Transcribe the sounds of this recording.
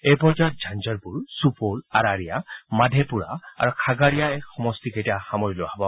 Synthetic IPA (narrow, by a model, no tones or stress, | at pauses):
ejpɔd͡ʒat̪̚d͡ʒʱand͡ʒɔɹpʊɹsupolaɾaɹijamadʱepuɹa̰a̰ɹukʰaɡaɹijaɛxɔmɔstiketijaxamɔɹjlɔabɔ